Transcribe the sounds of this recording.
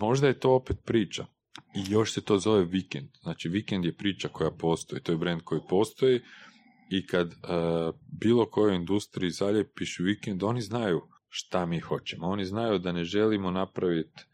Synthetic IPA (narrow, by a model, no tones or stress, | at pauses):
mo̞ʒd̪ajet̪o̞ːo̞pet̪̚pɾiːt͡ʃa | ijo̞ʃset̪o̞ːzo̞ʋe̞ʋikend̪̥znaːt͡ʃiʋikend̪je̞pɾiːt͡ʃako̞japo̞ːst̪o̞jit̪o̞ːjebɾend̪̚kʰo̞jipo̞ːst̪o̞ji | ikad̪ | biːlo̞ko̞jojind̪ust̪ɾiizaʎepiʃuʋikend̪o̞niznaju | ʃt̪amiːxo̞t͡ʃemoo̞niznajud̪ane̞ʒe̞limonapɾaʋit̪